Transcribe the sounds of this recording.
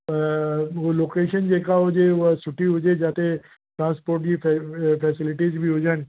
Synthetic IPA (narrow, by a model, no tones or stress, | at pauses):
oloːkeːʃənd͡ʒekaɦod͡ʒeʋsʊʈiɦʊd͡ʒed͡ʒaːt̪e | ʈɾãːnspoːɾʈd͡ʑiffɛsɪlɪʈiːzbʱiɦod͡ʒən